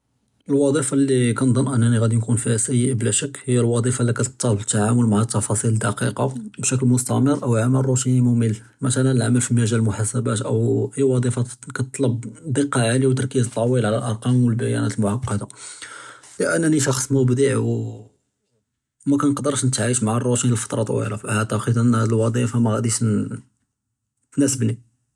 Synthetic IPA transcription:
əlwɑd̪ˤifɑlːikænd̪ˤənːʔənːæniɣæd̪inkunfiæsæjəʔblæʃækːhəjːælwɑd̪ˤifɑlːikæt̪t̪ˤːɑlbət̪ːaʕamʊlmaʕæt̪ːɑfɑsˤiləd̪ɑqiqɑbʃæk̬lmʊst̪æməɾʔəwʕaməlrˤuʃinmʊmil | mæt̪ænæəlʕaməlfimæʒælmʊħasæbæt̪ʔəwhəːæwɑd̪ˤifɑkæt̪t̪ˤːlɑbd̪əqːɑʕaliwt̪̬əɾkizt̪ˤːɑwilʕlæ̰lʔɑɾˤqɑmwəlbæjæ̰næt̪əlmʊʕɑqːɑd̪a | ləʔænːæniʃɑxsˤmʊbd̪iʕw | mækænəqd̪əɾˤʃnət̪ʕiʃmaʕarˤːut̪inəlfɑ̥t̪ˤɾˤɑt̪ˤwḭɾɑfʔaaʕt̪əqəd̪ʔənːhæd̪əlwɑd̪ˤifamæɣæd̪iʃ | næsəbni

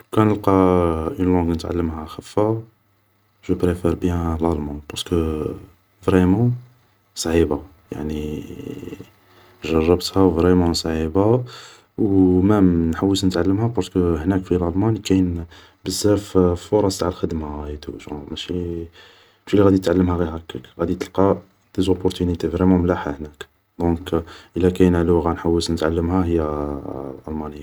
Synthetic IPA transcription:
kænəlqɑʔynlɑ̃ɡnət̪ʕa̰lːəmhæxəfːa | ʒəpɾefɛɾbjæ̃lɑlmɑ̃pɑɾskə | vɾɛmɑ̃ | sˤʕiba | ja̰ʕni | ʒɑrˤːɑbt̪hævɾɛmɑ̃sˤʕiba | wmænħawːəsnət̪ʕalːəmhæpɑɾˤskəhnækfilʔɑlmɑnikæjn | bəzːæɾffoɾˤɑ̃st̪aʕəlxəd̪maɣt̪ṵʒɑmæʃi | mæʃilːiɣæd̪it̪ʕalːəmhæɣihækəɣæd̪it̪əlqɑ | d̪̥ezopːʊɾt̪ynit̪efɾemumlæħahnæk | d̪ɔ̃kʔəlːækæjnæluɣænħawːəsnət̪ʕalːəmhæɦəjːæ | ʔɑlmɑnəjːa

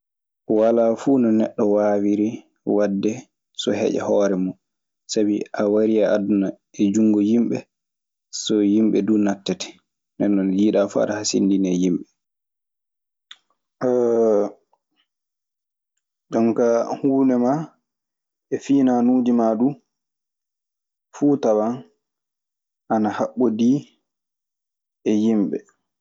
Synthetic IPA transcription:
walaːfuːnɔnɛɗːɔwaːwiɾi | wadːɛ | sɔ̰hɛ̰d͡ʒa̰hɔːɾɛmu | sabiʔawaɾiaaduna | ɛd͡ʒuŋɡɔjimɓɛ | sɔjimɓɛduːnatːɛtɛ̥ | nɛnːɔnjiːɗafa̰ɗahasḭndinɛjimɓɛ | ɗamkahuːnɛma | ɛfiːnanuːd͡ʒimaɗu | fuːtawan | ʔanahaɓːodiː | ɛjimɓɛ̰

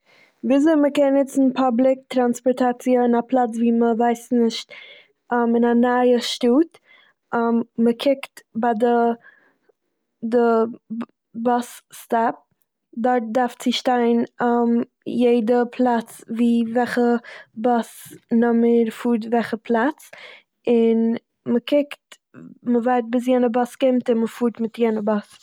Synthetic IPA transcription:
viːzeməkɛnnɪt͡sn̩pʰablˠɪk̚tɾanspɔɾtat͡siəɪnaplˠat͡sviːməvaɪsnɪʃt | ɔmɪnanajəʃtuːt | ɔmməkʰɪktbadə | də | bɔsstap̚ | dɔɾt̚daɾft͡sɪʃtaɪnam | jeɪdəpʰlˠat͡sviːvɛχəbɔsnɔməɾfuːɾt̬vɛχəpʰlˠat͡s | ɪn | məkʰɪkt | məvaɪt̚bɪs̬jɛːnəbɔskɪmtɪnməfuːɾtmɪtjɛːnəbɔs

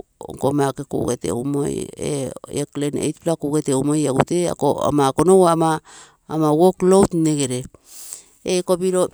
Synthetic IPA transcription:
o̰ŋkomakeko̰ɡetḛṵmo̰jḛeklenḛjtplakoɡeteumojeɡutea̰koa̰mako̞nowamaː | mawoklowtneɡeɾe | ekobiɾo̞

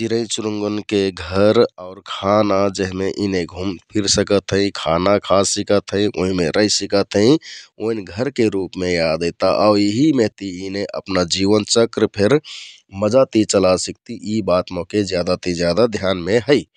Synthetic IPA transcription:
t͡ʃiɾə̃ĩt͡ʃʊɾuŋɡənkeɡʱəɾaʊɾkʰanad͡ʒəɦmeʔineɡʱumpʰiɾsəkət̪ɦə̃ĩkʰanakʰassikət̪ɦə̃ĩʔo̰ɦĩmeɾəisikət̪ɦə̃ĩoinɡʱəɾkeɾupmẽjad̪et̪aʔaʊɾiɦimeɦt̪iineʔə̰pnad͡ʒiʋənt͡ʃəkɾpʰeɾ | məd͡ʒat̪it͡ʃəlasək̚t̪iʔibat̪mɔ̃ked͡ʒjad̪at̪id͡ʒjad̪ad̪ʱjanmeɦəi

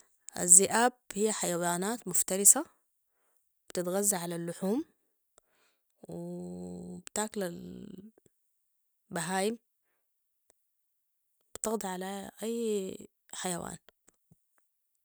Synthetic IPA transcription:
ʔa̰zːɪʔaːbhijːaħajawaːnaːt̪mʊft̪aɾɪsa | b̥t̪ɪt̪ɣazːaʕalalːʊħuːm | wɪ | bt̪aːklal | baɦaːjɪm | b̥t̪ɑɣd̪ˤɑʕalaʔajː | ħajawa̰ːn

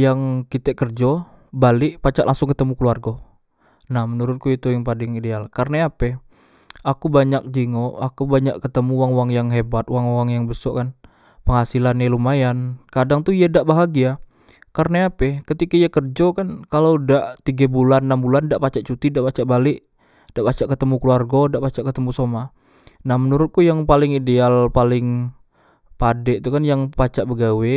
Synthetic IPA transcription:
jaŋkit̪ɛʔkərd͡ʒɔ | balɪʔpat͡ʃaʔlʔaŋsʊŋkət̪əmukəluarɡo | nahmənuɾʊt̪̚kuit̪ujaŋpadɪŋidealkarnaapɛ | akubaɲak̚d͡ʒiŋoʔakubaɲa̰ʔkət̪əmuwaŋuwaŋjaŋɦebat̪uwaŋuwaŋjaŋbəsɔʔkan | pəŋhasilanjalumajankadaŋt̪uijadaʔbaɦaɡia | karnaapɛkət̪ikaijakərd͡ʒokankalowdaʔt̪iɡabulanːambulandaʔpat͡ʃaʔt͡ʃut̪idaʔpat͡ʃaʔbalɪʔ | d̥aʔpat͡ʃaʔkət̪əmukəluarɡodaʔpat͡ʃaʔkət̪əmusoma | nahmənuɾʊt̪̚kujaŋpalɪŋidealpalɪŋ | padɛʔt̪ukanjaŋpat͡ʃaʔbəɡawɛ

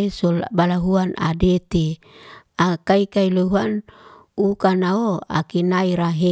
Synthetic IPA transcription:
solbalaɦuana̰det̪i | akaikailuɦuan | ukanaoa̰kinaiɾaɦe

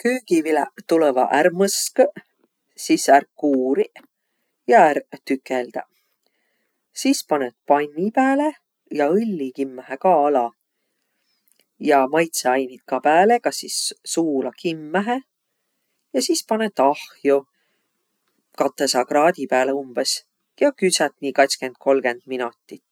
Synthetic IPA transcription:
kyːɡ̥ivilɛ̰t̪ulevɑ̰ʔæɾmɤsk | sisærkuːɾi | jɑæɾt̪ykːeld̪̥ɑ | sispɑnet̪̚pɑnʲːipæːle | jɑɯlʲːikimːæhekɑɑlɑ | jɑmɑjt̪seɑjnit̪̚kɑpæːle̞kɑsisːuːlɑkʰimːæɦe | jɑsispɑnet̪ːɑhjo | kɑt̪ːˑesɑkrɑːd̪̥ʲipæːleumb̥es | jɑkysæt̪ˑniːkɑt̪ʲskend̪̥̚kʰo̞lɡe̞nd̪̥minut̪ːˑit̪ːˑ

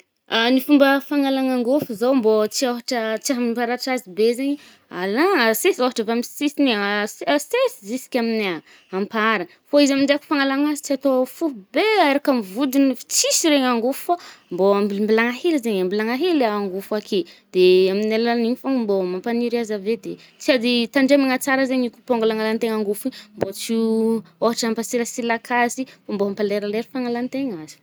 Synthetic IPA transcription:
anifumbəfaŋalaŋaŋɡofuzawmbot͡siaɦaʈ͡ʂət͡siaɦamiimpaɾaʈ͡ʂazibezeɲ | alasesaɦaʈ͡ʂəvamsisinessesizisi̥kʲamina | ampaɾə | foizamiɳɖ͡ʐaku̥faŋalaŋazi̥t͡siat̪ofuɦubeaɾakamivud̪inifi̥t͡sisiɾeŋaŋɡufamboambimbilaŋahelizeɲambilaŋaɦelaːŋɡufuakʰed̪̥eaminalanifambomampaniɾiazaved̪e | t͡siad̪it̪aɳɖ͡ʐemaŋat͡saɾəzeɲiku̥poŋɡulaŋalant̪eŋaŋɡufimbot͡sioɦaʈ͡ʂampasiɾəsilakʰasifomboɦampaleɾaleɾi̥faŋalant̪eŋaz̥i̥

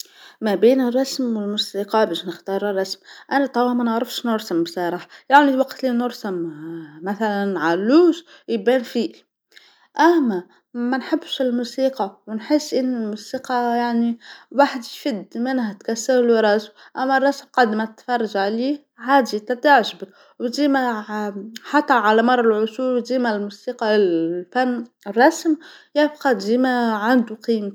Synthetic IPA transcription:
mæbiːnərˤːɑsmwɪlmusiːqɑbɛːʃnəxt̪ɑːɾˤrˤːɑsmʔænæt̪ˤɑwɑmænəʕɾəfʃnʊɾsambsɑːɾˤɑħjaʕniwɑqt̪liːnʊɾsammæθælænʕalːuːʃ | jbɛːnfiː | ʔæmːæ | mænħɪbːʃɪlmusiːqɑwnħesːʔɪnːɪlmusiːqɑjaʕniwaħd̪jfɪd̪mɪnhæt̪kæsːaɾlwɾˤɑsmʔæmːærˤːɑsmqɑd̪mæt̪fɑrˤːɑʒʕliːh | haːd̪it̪ɑt̪aʕʒbɪ | wd̪iːmæ | ħɑt̪ˤːɑɾˤʕalæmɑrˤːɑlʕʊsuːɾwd̪iːmælmusiːqɑfæmː | rˤːɑsmjɪbqɑd̪iːmæʕand̪uqiːm

